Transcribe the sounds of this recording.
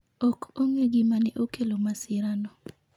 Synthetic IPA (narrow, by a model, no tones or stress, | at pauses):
ɔkoŋeɡimanɛʔokelomasɪɾanɔ